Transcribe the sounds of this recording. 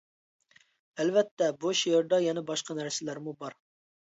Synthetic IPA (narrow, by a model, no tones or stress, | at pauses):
ɛlvɛt̪ʰːɛboʃjeɾd̪ɑjɛnɛbɑʃqʰɑnæɾsɪlæɾmubɑɾ